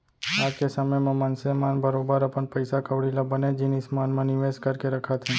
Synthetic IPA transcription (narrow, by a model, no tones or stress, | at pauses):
akesəməjmãmansemanbʱəɾobaɾapəɳpəjsakʰəʋɽilabəned͡ʒinismanmãnɪʋeskəɾkeɾəkʰat̪ʰẽ